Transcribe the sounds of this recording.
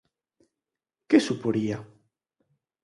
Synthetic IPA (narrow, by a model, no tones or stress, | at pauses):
kesupoɾia